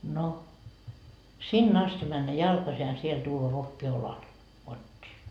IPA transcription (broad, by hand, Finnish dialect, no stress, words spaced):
no sinː ɑsti mænːæ jɑlkɑsi jɑ siel tuːʋɑ ʋokːi olɑl kotʲːiː